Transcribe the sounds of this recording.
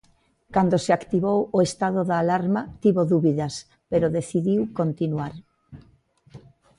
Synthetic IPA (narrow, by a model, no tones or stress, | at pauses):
kand̪oseakt̪iβowoest̪aðoðaːlaɾmɐt̪iβoðuβiðɐs | peɾoðeθiðiwkont̪inwaɾ